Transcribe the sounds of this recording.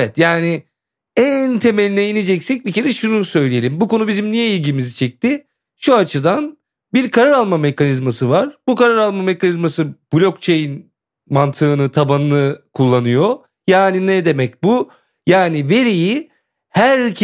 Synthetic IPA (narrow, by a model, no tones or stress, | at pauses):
ɛt̪jaːnɪ | ænt̪ʰe̞melʲinɛinid͡ʒɛcsɛc̚bicʰe̞ɾɛʃununsø̞jlʲije̞lʲimbuko̞nubizimnijɛilʲɟimizit͡ʃʰɛc̚t̪ɪ | ʃuat͡ʃʰɯd̪an | biɾkʰaɾaɾalˠmame̞kʰanizmasɯvaɾ̥bukaɾaɾalˠmame̞kanizmasɯb̥ulʲokt͡ʃʰejin | mant̪ʰɯːnɯt̪ʰabanɯnˠɯkʰulˠːanɯjo | jaːninɛd̪e̞mɛc̚bu | jaːnive̞ɾiji | hæɾcʰ